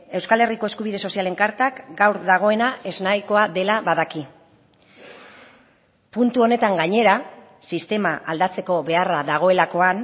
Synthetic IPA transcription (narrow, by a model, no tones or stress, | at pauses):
e̞wskale̞riko̞e̞skuβiðe̞so̞siale̞ŋkaɾt̪akɡawɾðaɣ̞o̞e̞naʔe̞znajko̞aðe̞laβaðaki | punt̪uo̞ne̞t̪aŋɡaɲe̞ɾa | sist̪e̞maʔald̪at͡se̞ko̞βe̞araðaɣ̞o̞e̞lako̞an